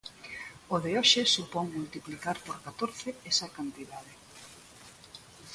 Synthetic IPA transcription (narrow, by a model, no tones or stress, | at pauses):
oðeoʃɪsupoŋmult̪iplikaɾpoɾkat̪oɾθɪesɐkant̪iðaðɪ